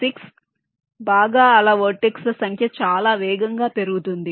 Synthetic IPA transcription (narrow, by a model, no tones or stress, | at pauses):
siks | baːɡaːɐlaːʋoʈːikslɐsɐŋkʰjɐt͡ʃaːlaːʋɛːɡɐŋɡaːpe̞ɾuɡut̪und̪i